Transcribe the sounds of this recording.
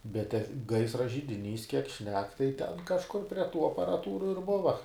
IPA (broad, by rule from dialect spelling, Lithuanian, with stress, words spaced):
bʲɛt tʲɛ ˈɡɐɪsrɐ ʒʲɪdʲɪˈnʲiːs kʲiɛk ˈʃʲnʲɛk tɐɪ ˈtʲɛn kɐʃˈkʊr pʲrʲiɛ ˈtuː ɐpɐrɐˈtuːrʊ ɪr ˈbʊʋɐ